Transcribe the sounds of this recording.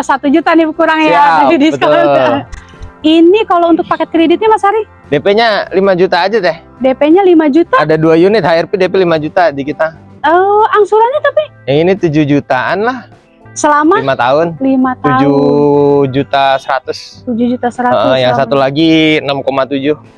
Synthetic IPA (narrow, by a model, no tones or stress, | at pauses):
sat̪ud͡ʒut̪anikuɾaŋjadisbətkol | inikalount̪ʊk̚pakɛt̪̚kɾedɪt̪̚ɲamasaɾi | depeɲalimad͡ʒut̪aːd͡ʒat̪ɛh | depeɲalimad͡ʒut̪aadaduajunɪt̪̚haɛrpidepɛlimad͡ʒut̪adikit̪a | əaŋsuɾanɲat̪api | aŋinit̪ud͡ʒuhd͡ʒut̪aʔanlah | səlamaimat̪aʊnlimat̪ud͡ʒu | d͡ʒut̪asəɾat̪ʊst̪ud͡ʒuhd͡ʒut̪asəɾaəʔəjjaŋsat̪ulaɡiənamkomat̪ud͡ʒʊh